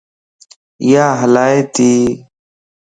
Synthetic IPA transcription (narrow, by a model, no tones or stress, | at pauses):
ɪjaːɦəlaːeːt̪iː